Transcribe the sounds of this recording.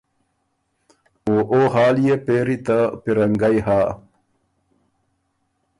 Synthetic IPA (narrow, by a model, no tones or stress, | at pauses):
oʔohaːljepeːɾit̪apiɾɐŋɡajhaː